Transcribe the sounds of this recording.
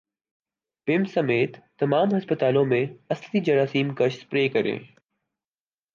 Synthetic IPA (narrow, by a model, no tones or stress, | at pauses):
pɪmsɐmeːt̪ːɐmaːmɦɐspət̪aːlõmẽɐslid͡ʒɐɾaːsiːmkɐʃspɾeːkɐɾḛ̃ː